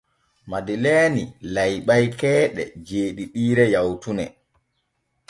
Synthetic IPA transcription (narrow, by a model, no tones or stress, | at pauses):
madilɛːnilajɓajkɛːɗɛ̰d͡ʒeːɗiɗiːɾɛjawtunɛ